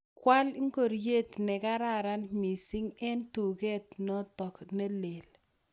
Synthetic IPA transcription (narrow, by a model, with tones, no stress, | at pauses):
kwa˦lɪ˦ŋko˨ɾje˦t̪nɛ˨ka˦ɾa˨ɾa˦nmi˨si˦ŋɛ˦ntu˨kɛ˦t̪nɔ˦tɔ˨kne˦le˨l